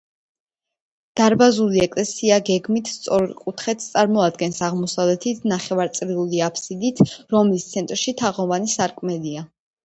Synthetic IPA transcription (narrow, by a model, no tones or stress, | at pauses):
d̪̥aɾbazuliɛkʼlɛsiaɡɛɡmit̪ʰst̪sʼɔɾkʼut̪ʰχɛt̪ʰst̪sʼaɾmɔad̪̚ɡɛnsaʁmɔsavlɛt̪ʰit̪ʰnaχɛvaɾt̪sʼɾiuliapʰsid̪it̪ʰɾɔmlist̪sʰɛnt̪ʼɾʃit̪ʰaʁɔvanisaɾkʼmɛlia